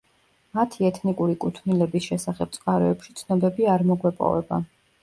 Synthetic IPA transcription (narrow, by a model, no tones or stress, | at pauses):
mat̪ʰiɛt̪ʰnikʼuɾikʼut̪ʰnilɛbisʃɛsaχɛp̚t̪sʼqʼaɾɛɛpʃit̪sʰnɔbɛbiaɾmɔɡwɛpʼɔ̰vɛ̰ba̰